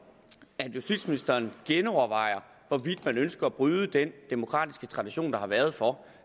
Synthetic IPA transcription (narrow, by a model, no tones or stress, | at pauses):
æd̥jusd̥ḭd̥sminisd̥ɐːnɡ̥enɒʊɐʋɑ̈ɪ̰ɐ | ʋɒʋid̥mænønsɡ̥ɐæb̥ʁyːðˠəd̥end̥emo̝kʰʁɑ̰ːd̥isɡ̥ət͡sʰʁɑ̈d̥iɕo̝̰ːnd̥ɑ̈hɑ̈ʋæɐð̞̩ˠfɒ